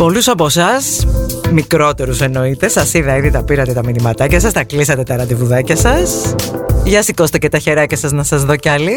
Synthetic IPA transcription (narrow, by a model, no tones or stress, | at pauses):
po̞lusɐpo̞sɐsmikɾo̞t̪e̞ɾuse̞no̞it̪e̞sɐsiðɐiðit̪ɐpiɾɐt̪e̞t̪ɐminimɐt̪ɐcɐsɐst̪ɐklisɐt̪et̪ɐɾɐt̪ivuðɐcɐsɐs | ʝɐsiko̞st̪ecet̪ɐçe̞ɾɐcɐsɐznɐsɐzðocɐli